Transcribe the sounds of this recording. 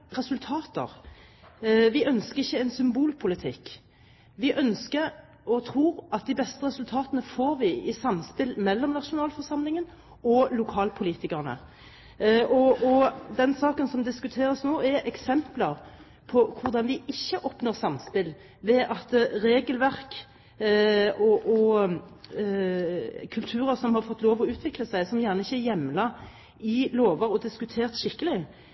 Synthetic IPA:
ʁɛsʉlt̪ʰɑːt̪ə̰ʁ | ʋɪʔœnskəɾɪçːəɛnsʏmbuːlpʰʊlɪt̪ʰɪkː | ʋɪʔœnskəɾ | ɔt̪ʰɾuːɾɑt̪̚d̪ɪbɛst̪əʁɛsʉlt̪ʰɑːt̪ənəfoːɾʋɪɪsɑmːspɪlmɛlːɔmnɑʃʊnɑːlfɔʁsɑmlɪŋən | ɔlʊkʰɑːlpʰʊliːt̪ɪkəʁnə̰ | ʔɔɔd̪ɛnsɑːkənsɔmd̪ɪskʉt̪ʰeːɾəsnoːɛɾʔɛksɛmpləɾ | pʰɔkʰʊɾd̪ɑnʋɪʔɪçːəʔɔpnoːɾsɑmspɪl | ʋɛʔɑt̪ɾeːɡəlʋæʁk | ɔʔɔ | kʰʉlt̪ʰʉːɾəsɔmhɑɾfɔt̪ːloːʋɔʉːt̪ʰʋɪkləsæɪsɔmjæːʁnəɪçːəɛjɛmːlɑ | ɪloːʋəɾɔd̪ɪskʉt̪ʰeːʁt̪ʃɪkːəlɪ

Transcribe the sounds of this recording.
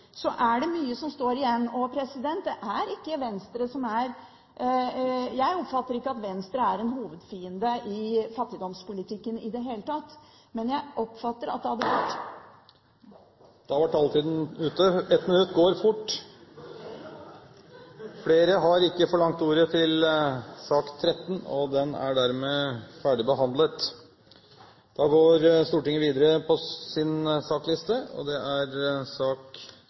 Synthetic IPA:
sɔʔæɖɛmyːəsɔmst̪oːɾɪjɛnːɔpʰɾɛsɪd̪ɛnt̪̚d̪ɛʔæɾɪkːəʋɛnst̪ɾəsɔmæɾ | jæɪɔpfɑt̪ːəɾɪkːəɑt̪ʋɛnst̪ɾəæɾɛnɦuːʋəd̪fiːənd̪əʔɪfɑt̪ːɪd̪ɔmspʊlɪt̪ʰɪkːənɪd̪ɛɦeːlət̪ʰɑt̪ː | mɛnjæɪʔɔpːfɑt̪ːəɾɑt̪̚d̪ɛhɑd̪ːəʋæʈː | d̪̥ɑʋæʈːɑlt̪ʰiːd̪n̩ʉːt̪əɛt̪mɪnʉt̪ːɡoːɾfʊʈː | fleːɾəɦɑɾɪkːəfɔɭɑŋt̪uːɾət̪ʰɪlsɑːkt̪ʰɾɛt̪ːnɔ̰d̪ɛnæ̰ɖæɾmeːfæːɖɪbəɦɑnd̪lət̪ | d̪̥ɑɡoːɾst̪uːʈɪŋːəʋiːd̪əɾəpʰɔsɪnsɑːklɪst̪əɔ̰d̪ɛʔæɾsɑːk

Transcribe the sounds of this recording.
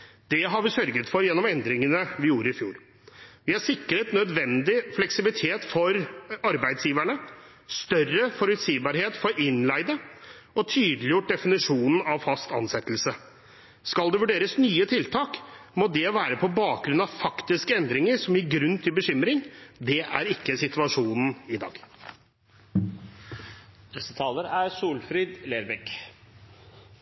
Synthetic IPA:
d̪̥ɛɦɑɾʋɪsœɾɡət̪fɔɾjɛnːɔmɛnd̪ɾɪŋənəʋɪjuːɾəɪfjuːɾ | ʋɪhɑɾsɪkːəɾət̪nœd̪ʋɛnd̪ɪflɛksɪbɪlɪt̪ʰeːt̪fɔɾɑɾbæɪd̪sjiːʋæɳə | st̪œrəfɔɾʉt̪siːbɑɾheːt̪fɔɾʔɪnlæɪd̪ə | ɔt̪ʰyːd̪lɪjʊʈ̚d̪ɛfɪnɪʂuːnən̩ɑʋfɑst̪ɑ̰nsɛt̪ːlsə | skɑld̪ɛʋʉɖeːɾəsnyːət̪ʰɪlt̪ʰɑːkmɔd̪ɛʋæːɾəpʰɔbɑːk̚ɡɾʉnɑʋfɑkt̪ɪskəɛnd̪ɾɪŋəɾʂɔmjɪɡɾʉnt̪ʰɪlbəɕʏmɾɪŋd̪ɛʔæ̰ɾɪkːəsɪt̪ʉɑʂuːnn̩ɪd̪ɑ̰ːɡ | nɛsət̪ʰɑːləɾæɾsuːlfɾiːd̪leːɾbɛk

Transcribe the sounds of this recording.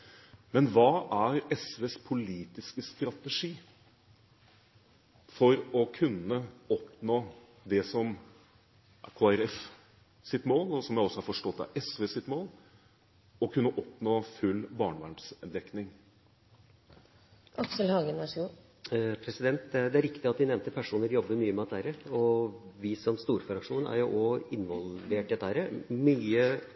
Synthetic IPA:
mɛnʋɑːæɾɛsʋeːspʰʊliːt̪ɪskəst̪ɾɑt̪əʂiː | fɔɾɔkʰʉnːəɔpnoː | d̪ɛsɔm | kʰoːæɾɛf | sɪt̪moːlɔsɔmjæɪɔsːɔhɑɾfɔʂʈɔt̪ːæ̰ɾʔɛsʋeːsɪt̪moːl | ɔkʰʉnːəʔɔpnoːfʉlːbɑːɳəʋæsd̪ɛknɪŋ | ʔɑksəlhɑːɡənɑʂu | pʰɾɛsɪd̪ɛnt̪d̪ɛd̪ɛæɾɪkt̪ɪɑt̪ʋ̪ɪnɛʋnt̪əpʰæʂuːnəɾjɔbːəɾmyːəmɛɛt̪ːhæɾəɔʋɪsɔmst̪uːɾfɔɾɑkʂuːnæ̰ɾjʊʔɔɪnʋɔlʋeːʈɪd̪ɛt̪ːhæɾəmyːə

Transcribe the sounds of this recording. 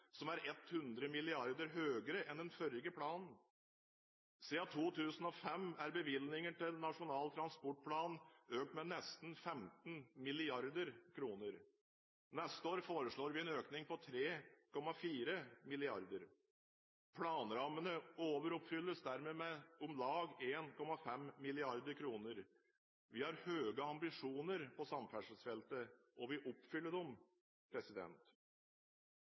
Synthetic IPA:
sɔmæɾɛt̪hʉnd̪ɾəmɪlɪɑɾd̪əɾɦøːɡəɾəʔɛnd̪ɛnfœɾɪɡəpʰɽɑːnn̩ | siɑt̪ʰuːt̪ʰʉːsən̩ɔfɛmæɾbəʋɪlnɪŋəʈɪlnɑʂʊnɑːlt̪ʰɾɑnspɔʈ̚pʰlɑːnøːk̚t̪mɛnɛst̪n̩fɛmt̪n̩mɪlɪɑɾd̪əɾkʰɾuːnəɾ | nɛst̪əoːɾfoːɾəʂɭoːɾʋɪɛnøːknɪŋpɔt̪ʰɾeːkʰɔmɑfiːɾəmɪlɪɑɾd̪əɾ | pʰlɑːnɾɑmənəoːʋəɾʊpfʏlːəsd̪æɾmeːmɛʊmlɑːɡeːnkʰɔmɑfɛmːɪlɪɑɾd̪əɾkʰɾuːnəɾ | ʋɪhɑɾhøːɡəɑmbɪʂuːnəɾpʰɔsɑmfæʂəsfɛlt̪ə | ʔɔʋɪʔʊpfʏlːəd̪ɔm | pʰɾɛsɪd̪ɛ̰nt̪

